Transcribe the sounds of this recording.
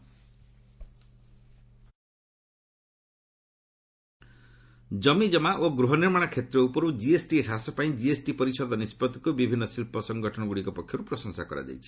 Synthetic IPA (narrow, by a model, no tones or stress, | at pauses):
d͡ʒɔmid͡ʒɔmaʔoɡɾuɦɔniɾmaɽ̃akʰet̪ɾɔupɔɾud͡ʒiesʈieʈʰasɔpaĩd͡ʒiesʈipɔɾisɔd̪ʱɔnispɔd̪ɔkubibʱinːɔsilpɔsɔŋɡɔʈʰɔɽ̃ɔɡuɽikɔpɔkʰːjɔɾupɾɔsɔŋsakɔɾa̰d͡ʒa̰jt͡ʃʰi̥